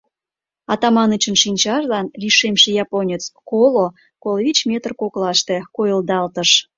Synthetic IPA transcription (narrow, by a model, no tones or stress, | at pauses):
ɑt̪ɑmɑnət͡ɕənʃinʲt͡ɕɑʒlɑnliʃemʃejɑponʲət͡skolo | kolvʲit͡ɕmʲet̪ərkoklɑʃt̪e̽kojəld̪ɑlt̪əʃ